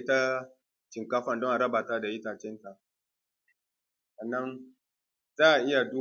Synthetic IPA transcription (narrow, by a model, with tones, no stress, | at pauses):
ta˦ | t͡ʃɪ˨ŋka˦ɸa˨ndɔ˦ŋʔa˨ɾɐ˦baː˨ta˦da˨jɪ˦taː˨t͡ʃɛ˦nta˨ʔ | sɐ˨nːa˦n | zaː˦ʔa˨ʔɪ˦ja˨duː˦